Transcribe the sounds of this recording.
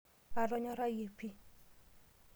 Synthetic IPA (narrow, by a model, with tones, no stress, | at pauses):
a˨lɔ˦ɲɔ˦ɾa˦je˨pi˦